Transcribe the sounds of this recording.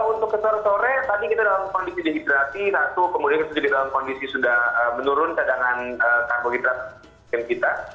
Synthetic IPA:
unt̪ʊkːəsoɾɛsoɾɛht̪adikit̪adalamkɔndisidiɦidɾasit̪at̪ukəmudianit̪ud͡ʒudidalamkɔndisisudahəmənuɾʊnkadaŋanəkaboɡidɾat̪̚ | ɪnkit̪a

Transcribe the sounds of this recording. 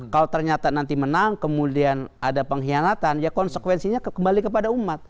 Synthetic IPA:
kalot̪ərɲat̪anant̪imənaŋkəmudianadapəŋɦianat̪anjakɔnsəkwɛnsiɲakəmbalikəpadaumat̪̚

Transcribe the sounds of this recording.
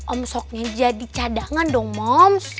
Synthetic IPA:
ʔɔmsɔk̚ɲad͡ʒadit͡ʃadaŋandɔŋmɔms

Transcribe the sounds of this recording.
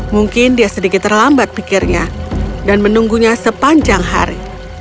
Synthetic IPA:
muŋkɪndiasədikɪt̪ːərlambat̪̚pikɪrɲa̰danmənuŋɡuɲasəpaɲd͡ʒaŋɦa̰ɾi

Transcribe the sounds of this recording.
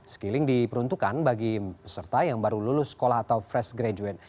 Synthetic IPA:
sə̥kilɪŋdipəɾunt̪ukanbaɡipəsərt̪ajaŋbaɾululʊsːə̥kolahat̪awfɾɛsɡɾad͡ʒuɛt̪̚

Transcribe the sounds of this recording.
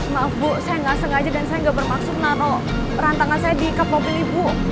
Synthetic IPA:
maʔafbɔʔsajaŋɡasəŋɡad͡ʒadansajaŋɡaʔbərmaksʊt̪̚naɾɔ | pəɾant̪aŋansajadikapapulibʊ

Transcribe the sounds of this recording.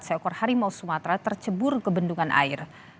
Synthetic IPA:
t̪saɔkɔrhaɾimausumat̪ɾat̪ərt͡ʃəbʊrkəbənduŋanʔa̰ɪr

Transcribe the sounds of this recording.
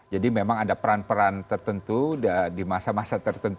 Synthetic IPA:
d͡ʒadimemaŋadapəɾanpəɾant̪ərt̪ənt̪udadimasamasat̪ərt̪ənt̪

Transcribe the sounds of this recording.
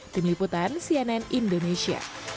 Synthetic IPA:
d̥inliput̪ansiɛnɛnindonesia̰

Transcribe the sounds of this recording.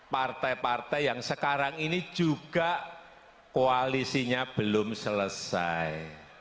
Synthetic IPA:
part̪ajpart̪ɛjjaŋsəkaɾaŋini̥d͡ʒ̥uɡ̥a̤ʔ | koalisiɲab̥əlʊmsələsaj

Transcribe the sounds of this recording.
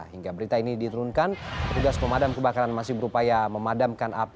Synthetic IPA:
ɦiŋɡabəɾit̪ainidit̪uɾunkanpərt̪uɡaspəmadamkəbakaɾanmasɪhbəɾupajaməmadamkana̰p

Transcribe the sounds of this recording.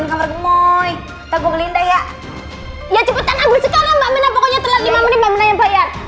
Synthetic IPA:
nkamarɡəmɔj | t̪abɔɡəlindajaʔ | jat͡ʃupat̪anaɡusəkalambaʔminapɔkɔɲat̪əlaimamənimbaʔminajaŋpaja

